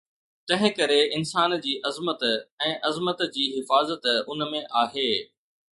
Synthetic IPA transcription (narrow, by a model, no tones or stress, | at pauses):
t̪ɐ̃ɦɪ̃kɐɾeɪnsaːnd͡ʑiːʔɐzmət̪ɛ̃ːʔɐzmət̪d͡ʑiːɦɪfaːzət̪ʊnmẽʔaːɦeː